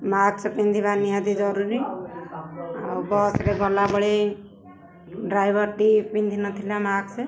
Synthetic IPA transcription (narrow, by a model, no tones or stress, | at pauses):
maksʰepind̪ʱiβanijad̪id͡ʒɔɾuɾi | awbɔsɾeɡɔlabɔɽe | ɖɾajbɔɾʈipind̪ʱinɔt̪ʰilamakt͡ʃʰe